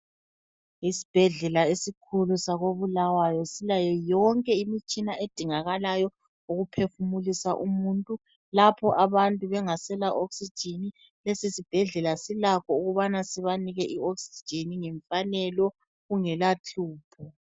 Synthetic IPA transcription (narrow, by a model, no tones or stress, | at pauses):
isi̥b̥ʱɛɮɛlaesikʰulusaɣoβulawajɔsilajɛjɔŋkʼɛimit͡ʃʼinaʔed̥ʱiŋaɣalajɔ | uɣupʰefumulisaʔumuntʼu | lapʰɔʔaβantʼuβɛŋasɛlaʔoksi̥d͡ʒ̥ʱini | lesisib̥ʱɛɮɛlasilakɔuɣuβanasiβaniɣɛʔioksi̥d̥d͡ʒ̥ʱiniŋɛɱfanɛlɔ | ɣuŋɛlat͡ɬuːpʰɔ